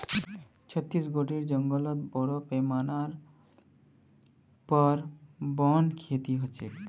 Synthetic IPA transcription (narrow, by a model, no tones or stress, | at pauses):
t͡ɕʰɔt̪ːɾisɡoʈiɾd͡ʒɔŋɡɔlɔt̪bɔɽopemanaɾ | pɔɾbɔnkʰet̪iɦot͡ʃʰe